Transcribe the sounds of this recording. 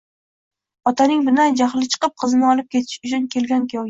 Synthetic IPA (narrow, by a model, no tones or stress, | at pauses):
ɒt̪ʰanɪŋbɪnajd͡ʒaχlˠɪt͡ʃʰɨ̥qɨp̚qʰɨzɪnɪɒlˠɪp̚kʲe̞t̪ʰɪ̥ʃʊt͡ʃʰʊnkʲʰe̞lɡʲankʰʲijɒw